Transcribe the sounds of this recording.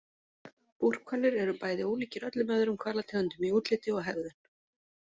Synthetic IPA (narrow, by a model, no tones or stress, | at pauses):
pur̥kʰvalɪɾɛɾʏpaːjðɪuːliːcɪɾœt̪lɪmœðʏɾʏmkʰvaːlat̪ʰɛːɣʏnt̪ʏmiuːt̪lɪt̪ɪɔɣɦɛvðʏn̥